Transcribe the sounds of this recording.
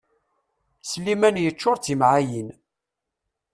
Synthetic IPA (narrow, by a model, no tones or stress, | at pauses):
slːimænjət͡ʃːʊɾˤt͡simʕajin